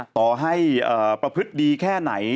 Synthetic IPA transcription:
t̪ɔː˨˩ɦa˥˩jʔɤː˨˩pɾa˧pʰɯ˦˥t̪̚diː˧kʰɛː˥˩na̰˩˦j

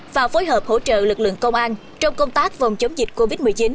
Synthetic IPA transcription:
vaː˨˩wfo˨˦jɦəː˨˩p̚ho̰˧˥t͡ɕə̰ː˧˨lɨ˨˩k̚lɨ̰˧˨əŋkə˧wŋ͡mʔaː˧n | t͡ɕɔ˧wŋ͡mkə˧wŋ͡mt̪aː˦˥k̚va˨˩wŋ͡mt͡ɕə˨˦wŋ͡mzi˨˩t̚ko˧vi˦˥t̚mɨ˨˩əjt͡ɕi˨˦n

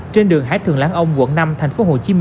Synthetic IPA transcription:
t͡ɕe˧nɗɨ˨˩əŋɦa̰ː˨˥jt̪ʰɨ˨˩əŋlaː˨˦ŋʔə˧wŋ͡mwṵ˧˨nna˧mt̪ʰa˨˩jŋ̟fo˨˦ɦo˨˩t͡ɕi˨˦m˧

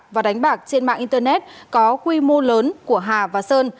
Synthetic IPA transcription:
vaː˨˩ɗa˨˦ŋ̟ɓaː˨˩k̚t͡ɕe˧nma̰ː˧˨ʔi˧nt̪əː˧nɛ˦˥t̚kɔ˨˦kwi˧mo˧ləː˨˦nku˧˩əɦaː˨˩vaː˨˩səː˧n

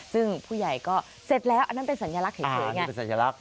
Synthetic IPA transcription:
sɯ˥˩ŋpʰuː˥˩ja˨˩jkɔː˥˩ | se˨˩t̪̚lɛː˦˥wʔa˧nːa˥pe˧nsa˩˦njaː˧la˦˥k̚he˨˩˦n˦ŋa˦˧pe˨nsa˨˦njaː˧la˦˥k̚

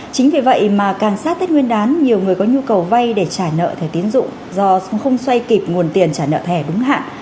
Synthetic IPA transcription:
t͡ɕï˨˦ŋ̟vi˨˩və̰˧˨jʔmaː˨˩kaː˨˩ŋsaː˦˥t̚t̪ə˦˥t̚ŋwi˧ənɗaː˨˦nɲi˨˩əwŋɨ˨˩əjkɔ˨˦ɲu˧kə˨˩wva˧jɗe˧˩t͡ɕaː˧˩nə̰ː˧˨t̪ʰɛ˧˩t̪i˨˦ənzʊ̰˧˨ŋ͡m | zɔ˧xə˧wŋ͡mswa˧jki˨˩p̚ŋu˨˩ənt̪i˨˩ənt͡ɕaː˧˩nə̰ː˧˨t̪ʰɛ˧˩ɗʊ˨˦ŋ͡mɦa̰ː˧˨nʔ

